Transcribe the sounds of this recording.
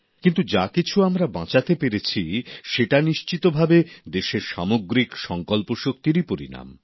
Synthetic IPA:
kint̪ud͡ʑakit͡ɕʰuamɾabã̰t͡ɕat̪epeɾet͡ɕʰiʃeʈaniʃt͡ɕit̪obʱabed̪eʃeɾʃamoɡɾikʃɔŋkolpoʃok̚t̪iɾipoɾḭna̰m

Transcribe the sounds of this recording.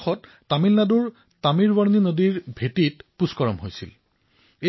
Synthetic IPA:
xɔtːamilnaduɹ | tamiɹwaɹninodiɹbʱetitpuskɔɹɔmɦojsḭl | e

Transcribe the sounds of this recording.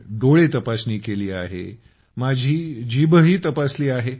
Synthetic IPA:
ɖoɭet̪əpasniːkeliːa̰ɦḛ | mad͡ʑʱiːd͡ʑibəɦiːt̪əpasliːaɦe

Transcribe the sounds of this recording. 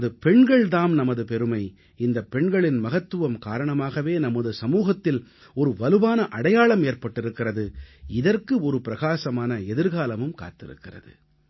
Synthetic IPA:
ðɯpɛɳɡɐɭt̪aːmnɐmɐðɯpɛɾɯmɐɪ | ɪnd̪ɐpːɛɳɡɐɭɪnmɐɣɐt̪ːɯʋɐmkaːɾɐɳɐmaːɣɐʋeːnɐmɐðɯsɐmuːɣɐt̪ːɪl | ɔɾɯʋɐlɯʋaːnɐʔɐɽɐjaːɭɐmeːrpɐʈːɪɾɯkːɪrɐðɯɪðɐrkɯɔɾɯpɪɾɐɣaːsɐmaːnɐɛðɪɾɣaːlɐmɯmka̰ːt̪ːɪ̰ɾɯ̰kːɪrɐ̰ðɯ̰

